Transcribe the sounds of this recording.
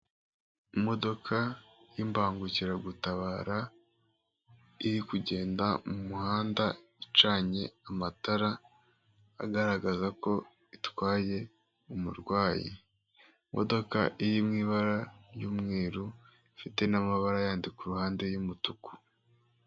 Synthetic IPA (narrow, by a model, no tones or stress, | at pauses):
mo̞do̞kʰajimbaːŋɡuciɾaɡutaβaːɾa | iɾikuɟe̞ːndamumuhaːndait͡ʃaːɲe̞amataɾa | a̰ɡaɾaɡazako̞ | itwaːje̞ | umṵɾɡwaːjḭ | mʔo̰do̞ka̰ʔijimŋiːβaɾajuːmŋiːɾu | fite̞namaβaɾajaːndikuɾuhaːnde̞jumutuku̥